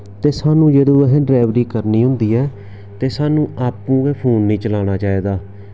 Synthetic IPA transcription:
t̪eːsaːnũːd͡ʒed̪oːɛɦɖɾɛːʋɾiːkəɾniːɦʊ̃nd̪iːɛː | t̪eːsaːnũːʔaːpːũːɡeːpʰuːnːĩːt͡ʃəlaːñaːt͡ʃaːeːd̪aː

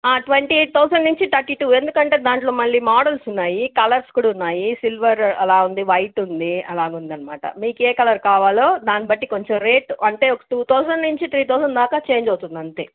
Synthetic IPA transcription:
aːʈʋeɳʈit̪ɔːsɐnːuɲt͡ʃit̪ɐɾʈiːʈuːe̞nd̪ukɐɳʈe̞ːd̪aːɳʈlo̞ːmɐɭːiːmaːɽɐlsunːaːjikɐlɐɾskuːɽɐunːaːjisilʋɐɾɐlaːund̪iʋɐjʈund̪iɐlaːɡund̪ɐnːɐmaːʈɐ̰miːkeːkɐlɐɾkaːʋaːloːd̪aːnibɐʈːiko̞ɲt͡ʃomɾe̞ːʈɐɳʈe̞ːɔkɐ̥ʈuːt̪ɔːsɐnnuɲt͡ʃit̪ɾiːt̪ɔːsɐnd̪aːkaːt͡ʃe̞ːɲd͡ʒɐwt̪und̪iɐnt̪e̞̰ː

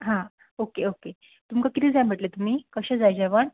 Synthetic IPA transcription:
ɦã | okeoke | t̪umkakit̪id͡zajm̤əʈlet̪um̤iːkəɕed͡zajd͡ʑɛʋəɳ

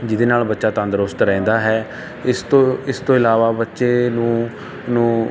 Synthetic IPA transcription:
d͡ʒɪd̪eːnaːlbətːʃaːt̪ãːnd̪ɾʊst̪ɾɛ̃ːnd̪aːɦɛː | ɪst̪oɪst̪õːɪlaːʋaːbətːʃeːnũː | nũː

